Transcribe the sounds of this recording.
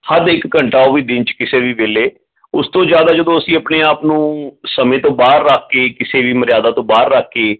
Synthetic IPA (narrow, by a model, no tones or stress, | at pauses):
həd̪ɪkːəɳʈaːoʋiːd̪ɪnt͡ʃkɪseːʋiːʋeːleː | ʊst̪õːd͡ʒjaːd̪aːd͡ʒəd̪õːəsĩːəpneːaːpnũːsəmẽːt̪õːbaːɾːəkʰːeːkɪseːʋiːməɾjaːd̪aːt̪õːbaːɾːəkʰːeː